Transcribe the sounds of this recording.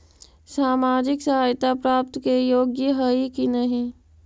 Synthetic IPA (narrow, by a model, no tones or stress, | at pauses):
saːmaːd͡ʒɪksɐɦaːjt̪apɾaːp̚t̪kejoːɡjəɦəikinɐɦĩ